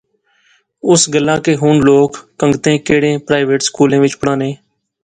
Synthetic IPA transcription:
ʊsɡəlːãːkeːɦʊɳloːkːəŋɡt̪ẽːkeːɽẽːpɾaːɪʋeːʈskuːlẽːʋɪt͡ʃpəɽãːnẽː

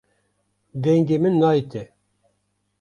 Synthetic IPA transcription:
d̪ɛŋɡemɨnːɑit̪e

